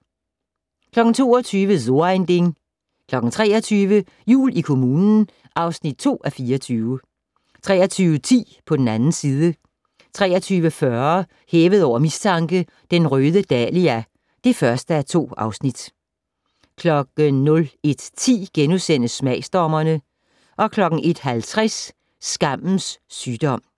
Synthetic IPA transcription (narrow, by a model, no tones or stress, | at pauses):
kʰlɒ̽ɡ̥n̩t͡sʰo̝̰ːɒt͡sʰyːʋəso̝ɐend̥e̝ŋ | kʰlɒ̽ɡ̥n̩t͡sʰʁɛ̰ːɐt͡sʰyːʋə | jṵːlikʰo̝muːnn̩ | ʔɑ̈ʊsnid̥̚t͡sʰo̝̰ːʔæfiːɐt͡sʰyːʊə | t͡sʰʁɛːɐt͡sʰyːʊət͡sʰḭːpʰɒ̽d̥en̩ænn̩siːðˠə | t͡sʰʁɛːɐt͡sʰyːʋəfɶɐ | heːʋəðˠɒʊ̰ɐmist͡sʰɑ̈ŋɡ̥ə | d̥enʁøːðˠəd̥ɛliæ | d̥e̝fɶɐsd̥əæɐt͡sʰo̝̰ːɑ̈ʊsnid̥ | kʰlɒ̽ɡ̥ənɔ̽le̝d̥t͡sʰḭːɡ̥enusen̰əsmɛɪsd̥ɒmɐnə | ʔɒ̽kʰlɒ̽ɡ̥ŋ̩ʔe̝d̥ɦælt͡sʰʁɛsː | ɡ̥ɑ̈m̰n̩sːyːd̥ɒ̽m̰